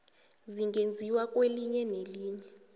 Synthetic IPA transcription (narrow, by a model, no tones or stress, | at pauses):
ziŋɡend͡zʱiwakʼweliɲɛneliːɲɛ